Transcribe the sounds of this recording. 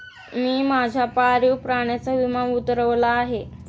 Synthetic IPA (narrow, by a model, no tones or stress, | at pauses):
miːmad͡ʑʱjapaɾiwpɾaɳ̃jat͡saʋimanut̪ɾəʋlaːɦe